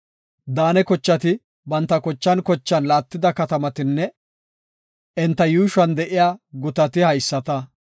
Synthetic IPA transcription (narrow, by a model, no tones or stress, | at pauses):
d̪aːnɛkɔt͡ʃːɐt̪ɪ | bɐnt̪ːɐkɔt͡ʃːɐnkɔt͡ʃːɐnlaːt̪ːɪd̪ɐkɐt̪ɐmɐt̪ɪnːɛ | ɛnt̪ːɐjuːʃɐnd̪ɛʔɪjaːɡʊt̪ɐt̪ɪhɐjsːɐt̪ɐ